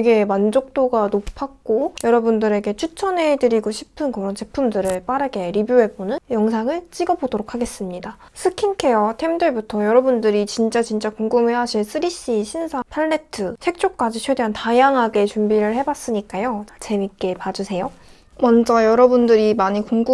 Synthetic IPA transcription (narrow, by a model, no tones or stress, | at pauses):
eɡe̞mand͡ʑok̚t͈oɡanopʰak̚k͈ojʌɾʌbundɯɾe̞ɡe̞t͡ɕʰut͡ɕʰʌnɦe̞dɯɾiɡoɕʰi̥pʰɯnkɯɾʌnt͡ɕe̞pʰumdɯɾɯɭp͈aɾɯɡe̞ɾibjuɦe̞bonɯnjʌŋsʰaŋɯɭt͡ɕ͈iɡʌbodoɾok̚ʰaɡe̞s͈ɯmɲida | sʰɯkʰinkʰe̞jʌtʰemdɯɭbutʰʌjʌɾʌbundɯɾit͡ɕint͡ɕ͈at͡ɕint͡ɕ͈akoŋɡumeɦaɕʰins͈ʰɯɾiɕ͈iɕʰinsʰapʰaɭːe̞tʰɯsʰe̞k̚t͡ɕ͈ok̚k͈ad͡ʑit͡ɕʰwe̞de̞ɦantajaŋɦaɡe̞t͡ɕumbiɾɯɭhe̞bas͈ɯɲik͈ajot͡ɕat͡ɕe̞mik͈e̞pad͡ʑusʰe̞jo | mʌnd͡ʑʌjʌɾʌbundɯɾimaɲikoŋɡu